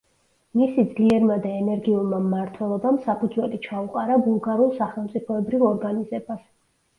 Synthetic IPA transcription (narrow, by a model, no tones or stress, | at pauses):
misid̪zliɛɾmad̪aɛnɛɾɡiulˠmamːaɾt̪ʰwɛlˠɔbamsapʰud̪zwɛlit͡ʃʰauqʼaɾabulˠɡaɾulˠsaχɛlˠmt̪sʼipʰɔɛbɾivɔɾɡanizɛbas